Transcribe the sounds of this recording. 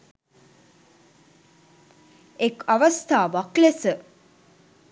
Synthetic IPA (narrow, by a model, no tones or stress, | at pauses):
ekaʋɐst̪ʰaːʋaklesə